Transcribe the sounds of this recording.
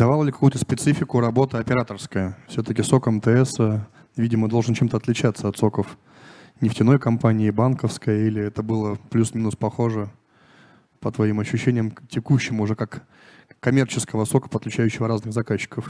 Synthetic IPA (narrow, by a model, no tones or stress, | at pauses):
d̪ɐvalˠəlʲɪkɐkujʊt̪əspʲɪt̪sɨfʲɪkʊɾɐbo̞t̪əɐpʲɪɾat̪ərskəjəfsʲot̪əkʲɪso̞kɛmt̪əɛsə | vʲidʲɪməd̪olˠʐɨnt͡ɕemt̪əɐt̪lʲɪt͡ɕat̪səɐt̪so̞kəf | nʲɪftʲɪno̞jkɐmpanʲɪɪbankəfskəjəilʲɪɛt̪əbɨlˠəplʲusmʲinʊspɐxo̞ʐɨ | pət̪vɐimɐɕːʉɕːenʲɪjəmtʲɪkuɕːɪmʊʐɛkakː | ɐmʲe̞rt͡ɕɪskəvəso̞kə̥pət̪lʲɪt͡ɕæjʉɕːɪvəɾaznɨɣzɐkaɕːɪ̥kəf